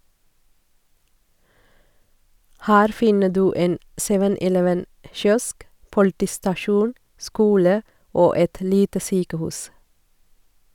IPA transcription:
ˈhæːɾ ˈfɪnə ˈdʉː ˈeːn ˈsɛʋən ʔɪˈlɛʋən ə ˈʃjɔsk pʊlˈtiːstɑˌʃuːn ˈskuːlə ˈoː ˈɛt ˈliːtə ˈsyːkəˌhʉːs

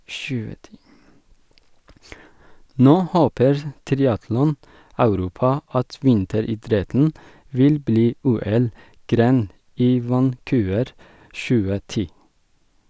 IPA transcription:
ˈnoː ˈhoːpəɹ ˈtɾɪɑtlɔˌnɑʉɾuːpɑ ˈɑt ˈʋɪntəɾiːˌdɾɛtn̩ ˈʋɪl ˈbliː ˈuːɛlˌɡɾeːn ˈiː ʋɑnˈkʉːʋəɾ ˈʃʉːə ˈtiː

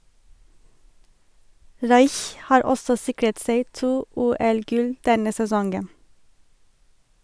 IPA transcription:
ˈɹɑɪç ˈhɑːɹ ˈɔsɔ ˈsɪkɹət ˈseɪ ˈtuː ˈuːɛlˌɡʉl ˈdɛnə sɛˈsɔŋɡən

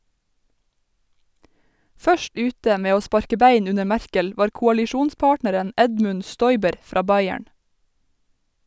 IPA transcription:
ˈfœʃt ˈʉːtə ˈmeː ˈoː ˈspɑɾkə ˈbeɪn ˈʉnə ˈmæɹkəl ˈʋɑːɾ kʊɑlɪˈʃuːnˌspɑːʈnəɾən ˈɛdmʉn ˈstɔʏbəɾ ˈfɾɑː ˈbɑɪæɳ

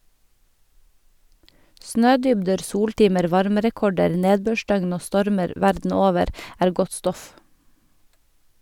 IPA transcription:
ˈsnøːˌdʏbdəɾ ˈsuːɽˌʈiːməɾ ˈʋɑɾməɾɛˌkɔɖəɾ ˈneːdbøːˌʃdœɡn ˈoː ˈstɔɾməɾ ˈʋæɾdn̩ ˈoːʋəɾ ˈæːɾ ˈɡɔt ˈstɔf

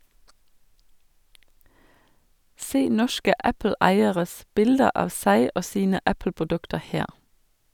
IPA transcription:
ˈseː ˈnɔʃkə ˈʔæpl̩ˌæɪəʁəs ˈbɪldə ˈʔɑːʋ ˈsæɪ ˈoː ˈsiːnə ˈʔæpl̩pʊˌdʉktə ˈheːʁ

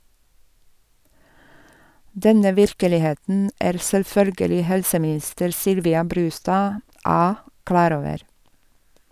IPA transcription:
ˈdɛnə ˈʋɪɾkəlɪˌheːtn̩ ˈæːɾ sɛlˈfœlɡəlɪ ˈhɛlsəmɪˌnɪstəɾ ˈsʏlʋɪɑ ˈbɾʉːstɑː ˈɑː ˈklɑːɾ ˈoːʋəɾ

